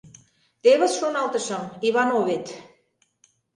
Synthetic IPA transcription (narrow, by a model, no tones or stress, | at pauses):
t̪eβə̆sʃunɑlˠt̪ɤ̆ʃɤ̆miβɑnoβet̪